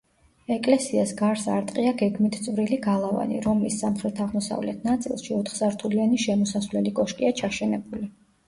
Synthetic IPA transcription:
ɛkʼlɛsiasɡaɾsa̰ɾt̪ʼqʼiaɡɛɡmit̪ʰt̪sʼvɾiliɡalˠava̰nḭɾɔmisːamχɾɛt̪ʰaʁmɔsa̰vlɛ̰t̪ʰnat̪sʼḭlˠʃiɔt̪ʰχsaɾt̪ʰulianiʃɛmɔsasvlɛlikʼɔʃkʼiat͡ʃʰaʃɛnɛbuli

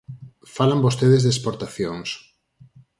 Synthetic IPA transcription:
falambost̪eðezðespoɾt̪aθjoŋs

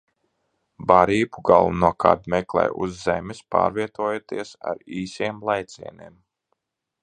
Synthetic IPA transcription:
baɾiːbuɡalˠunuɔkʰa̰d̪mɛklˠɛ̰jṵzːɛmispa̰ːɾviɛt̪uɔjot̪iɛsa̰ɾiːsimlˠajt̪sḭɛneːm

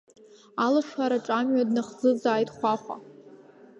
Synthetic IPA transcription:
alaʂaɾaʈ͡ʂʼamɥadnaχzɨzaːjtʰʼχʷaχʷa̰

